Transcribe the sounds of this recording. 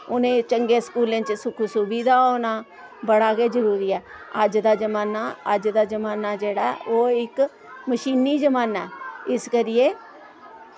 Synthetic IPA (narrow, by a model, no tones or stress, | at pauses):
ʊnẽːt͡ʃəŋɡeːskuːlẽːt͡ʃsʊkʰuːsʊbiːd̪aːoːnaː | bəɽaːkeːzəɾuːɾiːɛː | əd͡ʒd̪aːd͡ʒəmaːnaːəd͡ʒd̪aːd͡ʒəmaːnaːd͡ʒeːɽaːɛoːɪk | məʃiːniːd͡ʒəmaːnaːɪskəɾɪjeː